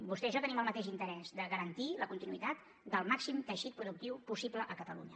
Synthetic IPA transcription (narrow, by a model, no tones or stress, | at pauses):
bust̪ɛʃɔt̪əniməlˠmət̪eʃ̬int̪əɾɛzd̪əɣəɾənt̪iləkunt̪inuit̪at̪ | d̪əlˠmaksimt̪əʃit̪̚pɾuðuk̚t̪iwpusipləʔəkət̪əlṵɲə